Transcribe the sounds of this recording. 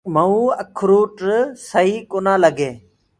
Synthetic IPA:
məũːəkʰɾuːʈsəɦiːkonãːləɡeː

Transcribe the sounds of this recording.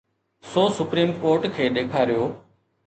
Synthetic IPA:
soːsʊpɾiːmkoːɾʈkʰeːɗ̪eːkʰaːɾɪjoː

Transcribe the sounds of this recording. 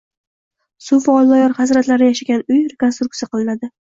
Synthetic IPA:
sʊfaɒlˠːɒjɒɾχazɾat̪laɾɪjaʃaɡʲanʊjɾe̞ko̞nst̪ɾukt̪sijaqɨlˠɪnad̪ɪ

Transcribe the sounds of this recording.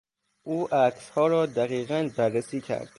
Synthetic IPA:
ʔuːʔækshɒːɾɒːd̪æɣiːɣænbærːesiːcʰæ̰ɾd̪̥

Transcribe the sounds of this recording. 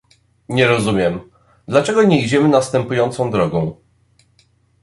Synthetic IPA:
ɲɛɾɔzumʲjɛm | d̪lat͡ʂɛɡɔɲɛid͡ʑɛmɘnast̪ɛmpujɔnt̪sɔ̃w̃d̪ɾɔɡɔ̃w̃

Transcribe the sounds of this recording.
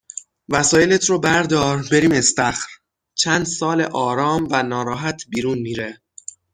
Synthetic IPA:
væsɒːjelet̪ʰɾoːbæɾd̪ɒːɾbe̞ɾiːme̞st̪æxɾ | t͡ʃʰæːnd̪sɒːlḛʔɒːɾɒːmvænɒːɾɒːɦæt̪ʰbiːɾuːnmiːɾe

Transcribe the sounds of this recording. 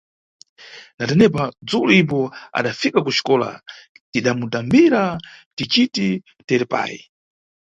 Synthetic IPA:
natɛnɛpad͡zuluip̬ɔa̰ɗafikakuʃi̥kɔla̰ | tiɗamutambiɾatit͡ʃiti | tɛɾɛpa̰ːji

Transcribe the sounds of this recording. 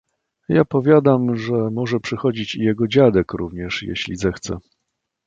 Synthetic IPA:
japɔvʲjad̪amʐɛmɔʐɛpʂɘxɔd͡ʑit͡ɕijɛɡɔd͡ʑad̪ɛkɾuvɲɛʂjɛ̰ɕlʲizɛxt̪sɛ̰

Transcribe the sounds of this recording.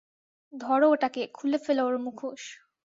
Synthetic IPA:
d̪ʱɔɾooʈakekʰulefeloaɾmukʰoʃ

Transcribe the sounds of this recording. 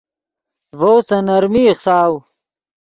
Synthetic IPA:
vowsɐnɐɾmiχsaːw

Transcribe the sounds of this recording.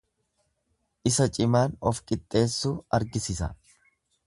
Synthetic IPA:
ʔɪsɐt͡ʃʼɪmaːnɔfkʼɪt̪ʼːe̞ːsːuːɐɾɡɪsɪsɐ̰

